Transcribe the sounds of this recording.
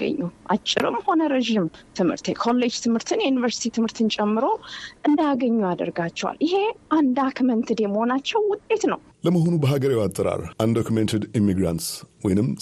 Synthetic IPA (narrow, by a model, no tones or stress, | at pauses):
ə̰ɲːuʔa̰t͡ʃʼːɪ̰ɾɨ̰mːho̞nəɾeʒimt̪ʰɨmhɨ̰ɾt̪ʰekʰo̞lːe̞d͡ʒt̪ʰɨmhɨɾt̪ʰɨnjɛjunivəɾsi̥t̪ʰit̪ʰɨmhɨɾt̪ʰɨnt͡ʃʼɛmːɨɾo̞ʔɨnd̪jaɡəɲːuad̪ə̰ɾɡat͡ʃːɛwa̰lʔɪɦe̞ʔand̪akmənt̪ʰɨd̪e̞məho̞nat͡ʃːɛwːʊt̪ʼːe̞t̪nəw | ləməɦo̞nubəɦaɡəɾewat̪ʼːəɾa̰ɾʔand̪okʰumɛnt̪ʰed̪imːiɡɾa̰nt̪swɔjnɨm